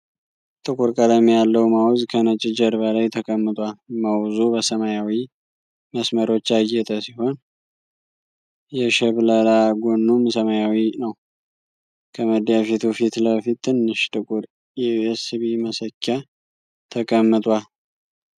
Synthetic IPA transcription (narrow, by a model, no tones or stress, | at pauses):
t̪ʼɨkʼuɾkʼəd̪amijalːəwmawzkʰənət͡ʃʼɪd͡ʒəɾbəlajt̪ʰəkʼəmːɨt̪ʼwalmawzubəsəmajawi | məsməɾo̞t͡ʃːajːɛt̪ʼəsiho̞n | jɛʃɛβləlaɡonːumsəmajawinəw | kʰəməd̪jafit̪ʰufit̪ləfit̪ʰːɨnːɨʃt̪ʼɨkʼuɾ | jɛɛsɨβiməsəkʰːa | t̪ʰəkʼəmːɨt̪ʼwal